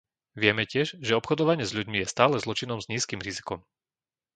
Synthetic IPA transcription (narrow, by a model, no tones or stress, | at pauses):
ʋɪɛmɛcɪɛʒʒɛɔpxɔd̪ɔʋaɲɪɛzʎuɟmijɛst̪aːlɛzlɔt͡ʃinɔmzɲiːskimɾizi̥kɔm